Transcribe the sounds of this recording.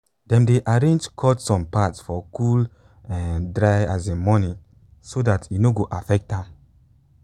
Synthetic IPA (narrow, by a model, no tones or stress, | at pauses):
dɛ̃mdeʔaɹẽnd͡ʒkʰɔtsɔ̃mpatsfɔkʰul | ɛ̃ndɹajazẽmɔnĩ | sodatʰinoɡoʔafɛk̚ta